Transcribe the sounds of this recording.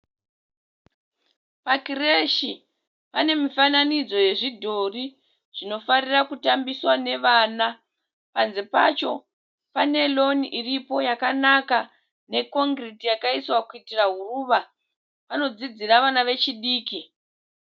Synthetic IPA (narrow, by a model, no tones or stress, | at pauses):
pakireʃi | pane̞mifananid͡zo̞je̞ʐidʱo̞ri | ʐ̥ino̞farirakutambiswane̞ʋaːna | panze̞pa̰t͡ʃo̞ | pane̞lo̞niʔiripo̞jakanaka | ne̞ko̞ŋɡritijakaiswakuitiraɦuruʋa | ʋano̞d͡zid͡ziraʋanaʋe̞t͡ʃiɗiːki